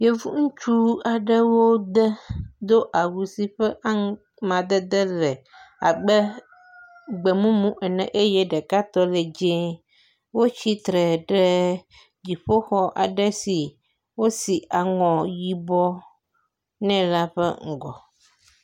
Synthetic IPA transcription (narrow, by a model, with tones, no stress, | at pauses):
je˦vṵ˦ŋũ˦t͡ʃu˦a˨ɖə˦wo˦d̪ə˦d̪o˦ʔa˨wu˨si˨ɸɛ˦ʔa˦ | mã˨d̪ɛ˦d̪ɛ˦lɛ˨a̰˨ɡ͡bɛ˦ | ɡ͡bɛ˨mũ˦mũ˦ʔɛ˨nɛ̰̃˨ʔe˦jɛ˦ɖɛ˨ka˦t̪ɔ˦lɛ˨d͡ʒẽ˦ | wo˦t͡ɕi˦t̪ɾɛ˨ɖɛ˦ | d͡ʑi˨ɸo˦xɔ˦ʔa̰˨ɖɛ˦si˨ | wo˦si˨ʔa˨ŋɔ̃˨ji˦bɔ˦ | nɛ̃˦la˦ɸɛ̰˦ŋ̩˨ɡɔ̰˨